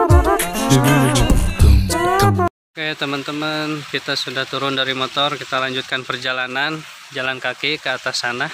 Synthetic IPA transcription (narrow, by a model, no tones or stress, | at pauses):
kajaʔt̪əmənt̪əmənkit̪asudaht̪uɾʊndaɾimɔt̪ɔrkit̪alaɲd͡ʒut̪̚kanpərd͡ʒalanan | d͡ʒalankakikəat̪asanah